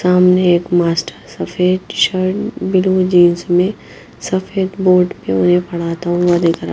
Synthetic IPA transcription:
saːmneeːkmaːsʈəɾsɐfeːd̪ʃəɾʈbɪlũd͡ʒiːnsmẽ | sɐfʰeːd̪boːɾɖpeʊnɦẽpɐɽ̤aːt̪aɦʊ̃wad̪ekʰəɾ

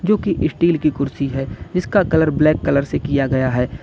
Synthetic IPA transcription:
d͡ʒoːkiʔɪsʈiːlkikʊɾsiɦɛːd͡ʒɪskakɐləɾblɛːkːɐləɾsekijaɡɐjaɦɛː

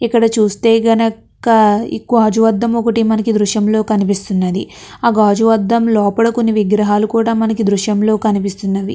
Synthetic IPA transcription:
ikːɐɽɐt͡ʃuːst̪e̞ːɡɐnɐ | kɐḭkːuaːd͡ʒuʋɐd̪ːɐmɔkɐʈimɐnɐkid̪ɾuʃjɐmlo̞ːkɐnipist̪unːɐd̪i | ɐɡaːd͡ʒuʋɐd̪ʱːɐmlɔːpɐɽɐkunːiʋiɡɾɐɦaːlukuːɽaːmɐnɐkid̪ɾuʃjɐmlo̞ːkɐnipist̪unːɐd̪i

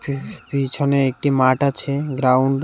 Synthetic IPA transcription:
pit͡ɕʰoneek̚ʈimaʈat͡ɕʰeɡɾawɳɖ

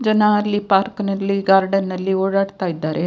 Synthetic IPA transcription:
d͡ʒənaliːpaɾknɐlːiɡaɾɖənːɐlːioɽaɽt̪aid̪aɾʔe

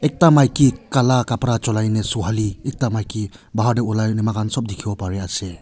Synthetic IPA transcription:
ek̚tamajkikalakapɾat͡ʃɔlajnesuɦaliek̚tamajkibaɦaɾdeɔlajnemakʰansɔp̚dikʰibapaɾease

